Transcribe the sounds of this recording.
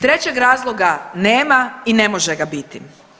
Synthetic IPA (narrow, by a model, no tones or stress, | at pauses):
t̪ɾe̞t͡ɕeɡɾaːzlˠoɡaneːmaine̞mo̞ʒeɡabit̪i